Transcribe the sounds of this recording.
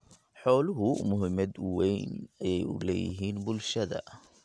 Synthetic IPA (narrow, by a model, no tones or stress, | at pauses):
ħɔːlʊɦʊmʊɦɪmɐd̪ʊwɛjnɐjɛjʊ̰lɛ̰ːjɪ̰ɦiːnbʊlʃɐðɐ̰